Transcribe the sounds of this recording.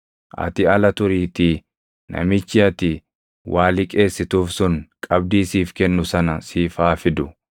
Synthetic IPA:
ʔɐ̰t̪ɪɐlɐt̪ʊɾiːt̪ɪ | nʔɐ̰mɪt͡ʃːɪɐt̪ɪ | wʔaːlɪkʼe̞ːsːɪt̪uːfsʊnkʼɐb̚d̪iːsiːfkɛnːʊsɐnɐsiːfaːfɪd̪ʊ

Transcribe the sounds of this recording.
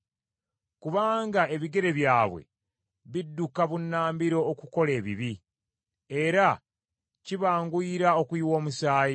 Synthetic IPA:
kuβaːŋɡae̞βiɡe̞ɾe̞βjaːβwe̞̰ | βidːukaβunːaːmbiɾo̞ːkuko̞le̞ːβḭβi | e̞ɾa | ciβaːŋɡuiɾao̞kwiːwo̞ːmusaːji

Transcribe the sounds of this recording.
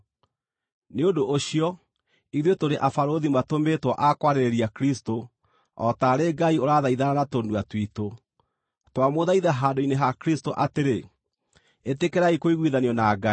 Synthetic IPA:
neondoʔːɕiɔ | iðwetoɾeʔafaɾoðimatometwɔʔakwaɾeɾeɾiakɾisto | ɔtaɾeːɡaioɾaðaiðananatonduatwito | twamoðaiðaɦaːndoineɦakɾistoʔateɾe | etekeɾaikoiɣwiðaniɔnaɡai

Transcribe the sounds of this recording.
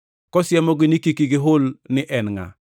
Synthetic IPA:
kɔsɪjɛmɔɡɪnikikiɡɪɦʊlnɪʔɛnŋa̰

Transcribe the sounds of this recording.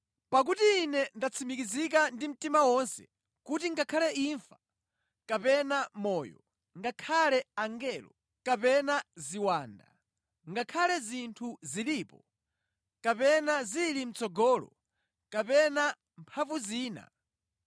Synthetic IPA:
pak̬utiːnɛndat͡sʰimikizik̬andim̩timawɔnsɛ̰ | kutiŋɡakʰalɛiɱfa | kapɛnamɔːjɔ̰ | ŋɡakʰalɛaŋɡɛlɔ | kapɛnaziwaːnda̰ | ŋɡakʰalɛzintʰuzilipɔ | kapɛnazilim̩t͡sɔɡɔːlɔ̰ | kapɛna | mpʰavuziːna̰

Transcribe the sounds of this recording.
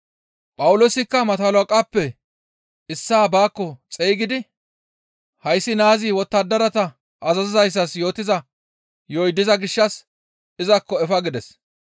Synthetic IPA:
pʼɐwʊloːsɪkːɐmɐt̪ɐlokʼapːɛ | ɪsːaːbaːkːɔt͡sʼeːɡɪd̪ɪ | hɐjsːɪnaːzɪwɔt̪ːɐd̪ɐɾɐt̪ɐ | ʔɐzɐzɪzɐjs̬ːɐsjo̞ːt̪ːɪzɐ | jɔjd̪ːɪzɐɡɪʃːɐs | ɪzɐkːɔɛfɐɡɪd̪ɛs

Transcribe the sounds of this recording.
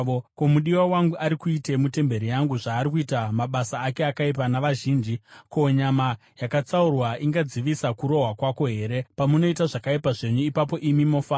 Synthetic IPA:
komuɗiwawaŋɡuʔaɾikuite̞mute̞mbe̞ɾijaŋɡuʐaːɾikuitamaɓasaːke̞akaipanaʋaʒiːnd͡ʒikoɲama | jakat͡saurwaʔiŋɡad͡ziʋisakuɾo̞ɦwakwako̞ɦe̞ːɾe̞pamuno̞itaʐakaipaʐe̞ɲuipapo̞ʔimimo̞ːfaː

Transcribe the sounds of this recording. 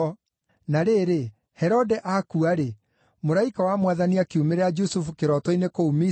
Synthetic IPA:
naɾeɾe | hɛɾɔdɛʔakuaɾe | moɾaikawamwaðaniakiumeɾɛad͡ʒusufukeɾɔtɔinekoumi

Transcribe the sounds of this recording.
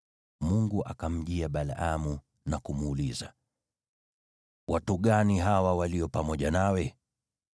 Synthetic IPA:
muŋɡuʔa̰kam̩ʄiaɓalaʔamu | nakumːliza̰ | wʔatuɠaniɦawawaliɔpamɔʄanawɛ

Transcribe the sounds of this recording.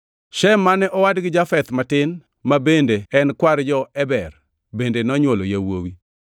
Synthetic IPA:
ʃɛmːanɛʔɔwadɡɪd͡ʒafɛt̪matɪn | mabendeɛnkwaɾd͡ʒɔɛbɛr | bendenɔɲwolo̰jawo̰wi

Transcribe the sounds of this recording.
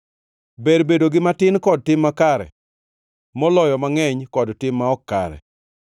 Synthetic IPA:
beɾbedoɡɪmatɪnkɔd̚tɪmːakaɾɛ̰ | mɔlɔjɔmaŋɛɲkɔdtɪmːaɔkːa̰ɾɛ̰

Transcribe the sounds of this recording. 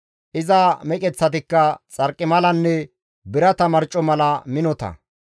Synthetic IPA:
ʔɪzɐmɛkʼɛt͡sːɐt̪̬ɪkːɐt͡sʼɐɾkʼːɪmɐlɐnːɛ | bɪɾɐt̪ɐmɐɾt͡ʃʼːɔmɐlɐmɪnɔt̪ɐ̰

